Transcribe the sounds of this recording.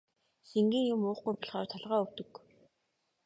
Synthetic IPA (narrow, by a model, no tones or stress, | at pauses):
seŋɡiːŋjʊmʊːχɡujpʰɔɮχɔːrt̪ʰɔɮʁaːɵwt̪ɵ̆k